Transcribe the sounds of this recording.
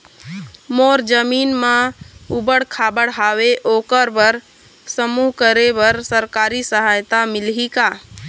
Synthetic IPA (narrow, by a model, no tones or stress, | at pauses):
moːɾd͡ʒəmiːnmãubəɽkʰaːbəɽɦaːʋeʔoːkəɾbəɾ | səmuːɦkəɾebəɾsəɾkaːɾisəɦaːjt̪amɪlɦika